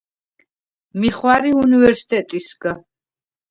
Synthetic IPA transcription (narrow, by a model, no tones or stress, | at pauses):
miχwaɾiunivɛɾsi̥t̪ʼɛt̪ʼisɡa